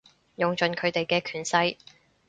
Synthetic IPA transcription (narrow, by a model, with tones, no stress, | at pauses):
jʊ˨ŋt͡ʃɵ˨˧nkʰɵ˨˧ɥt̪e˨jkɛː˧kʰyː˨˩nsɐ˧˥j